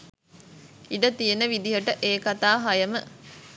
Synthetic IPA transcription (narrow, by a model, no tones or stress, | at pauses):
iɖət̪ijenəʋid̪iɦəʈəʔeːkat̪aːɦɐjəmə